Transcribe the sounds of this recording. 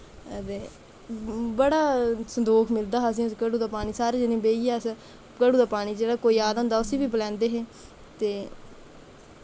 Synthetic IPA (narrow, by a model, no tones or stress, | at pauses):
t̪eː | bəɽaːsənd̪oːkʰmɪld̪aːɦas̬ĩːkəɽuːd̪aːpaːɽ̃iːsaːɾeːd͡ʒɪnẽːbeːiːɛːs | kəɽuːd̪aːpaːɽ̃iːd͡ʒeːɽaːkoːiːaːd̪̃nd̪aːʊsiːʋiːbəlɛ̃ːnd̪eːɦeː | t̪eː